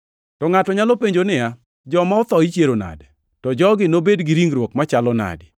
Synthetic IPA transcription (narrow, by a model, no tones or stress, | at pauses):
tɔŋatɔɲalɔpeɲd͡ʒonɪja | d͡ʒɔmaɔt̪ɔit͡ʃjeɾona̰d | tɔd͡ʒɔɡɪnobedɡɪɾiŋɾwokmat͡ʃalɔna̰dɪ